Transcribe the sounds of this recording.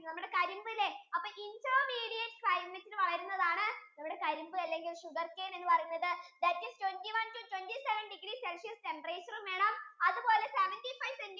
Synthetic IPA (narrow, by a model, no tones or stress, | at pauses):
nɐmːuɽe̞kɐɾumbɨilːeɐpːoɐːinsoːmiːɽijetːɨ̥klɐjmːɐtːinɨʋɐɭɐɾunːɐðaːɳɨnɐmːuɽe̞kɐɾumbɨɐlːe̞ŋɡilʂuɡɐrkeːne̞nːɨpɐrɐjunːɐðɨd̪ɐt̚kistwendiʋɐntutwentiseʋɐnɖiɡɾiselʂijɐste̞mpɐreːt͡ɕːɐrumʋe̞ːɳɐmɐðɨpo̞ːle̞seʋɐnʈifɐjʋsenɡ